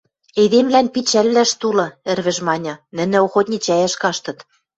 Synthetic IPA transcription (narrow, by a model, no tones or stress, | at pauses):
eðemlænpit͡ɕælːæʃt̪ulɤ̆ɘ̆rβɘ̆ʒmɑnʲɤ̆nɘ̆nɘ̆oxot̪ʲnʲit͡ɕæjæʃkɑʃt̪ɤ̆t̪